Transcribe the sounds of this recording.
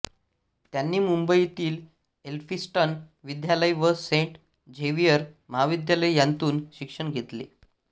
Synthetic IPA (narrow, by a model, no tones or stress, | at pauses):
t̪janːiːmumbəit̪iːl | elfisʈən | ʋid̪jaləjʋəseɳʈ | d͡ʑʱeʋijəɾməɦaʋid̪jaləjjant̪uːnɕikʂəɳɡʱet̪lḛ